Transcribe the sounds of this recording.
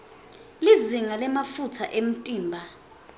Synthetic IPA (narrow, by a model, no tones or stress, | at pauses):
liziŋalɛmafutʰa̰ʔem̩tʼiːmbʱa